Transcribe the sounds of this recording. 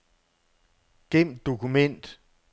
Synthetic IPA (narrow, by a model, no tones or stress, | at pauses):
ɡ̥em̰d̥o̝kʰumen̰d̥